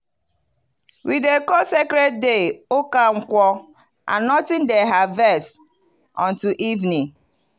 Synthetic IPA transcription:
widekɔsekɾed̚deokaŋ̩kʷɔ | a̰nɔtɪ̃ndɛɦavɛs | ɔ̃ntuʔivni

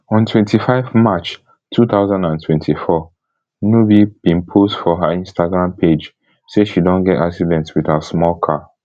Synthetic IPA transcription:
ɔ̃ntʰwɛ̃ntʰifaɪvmat͡ʃ | tʰuθaʊzãndãntʰwɛ̃ntʰifɔ | nubib̥ĩnpʰosdfɔɦaĩnstaɡɹãmpʰed͡ʒ | seʃidõnɡɛtaksidɛ̃ntswiðasmɔlkʰa

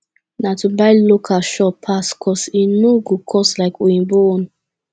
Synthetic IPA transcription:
natubaɪlokʰaʃɔpʰaskʰɔsinuɡukʰɔslaɪkoĩnbon

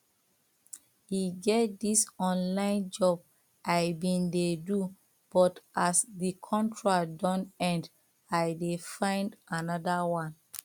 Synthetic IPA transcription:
jiɡɛt̚disɔ̃nlãɪ̃nd͡ʒɔb̚ | ʔaɪbĩndedu | b̥ɔtʔasdikʰɔ̃ntʰɹadɔ̃nɛ̃nd | aɪdefãɪ̃ndanɔdawãn

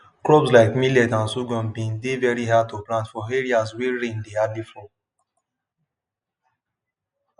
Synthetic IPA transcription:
kɹɔbslaɪkmilɛtãnsuɡɔ̃nbĩndevɛɹiɦad̚toplãntfɔeɹiaswiɹẽndeadlifɹɔ̃

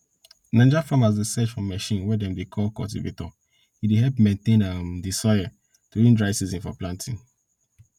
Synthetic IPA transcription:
nãnd͡ʒafɹɔ̃mazdəsɛt͡ʃfɹɔ̃mːɛʃĩnwɛdɛ̃mdekʰɔlkɔ̰ltḭvḛtɔ | hideɦɛlpmẽntẽnãmdisɔɪə | tuĩndɹaɪsizĩnfɔ̰plãntʰĩn

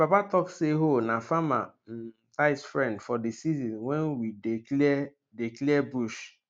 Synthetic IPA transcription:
bapatɔkseɦonafama | taɪsfɾɛ̃ndfɔdisizɔ̃nwɛnwidlɛ | diklɛɛbuʃ

